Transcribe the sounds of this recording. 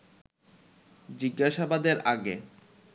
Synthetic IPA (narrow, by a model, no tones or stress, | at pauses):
d͡ʑiɡːaʃabad̪eɾʔaɡe